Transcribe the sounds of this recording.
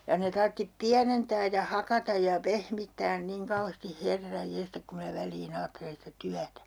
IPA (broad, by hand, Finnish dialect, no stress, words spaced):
jɑ ne tɑrtːip piænentæː jɑ hɑkɑtɑj jɑ pehmitːæːn niŋ kɑuheːsti herːɑj jestɑk kum mĭnæ ʋælˑiːn ɑːtːelen sĭtæ tyætæ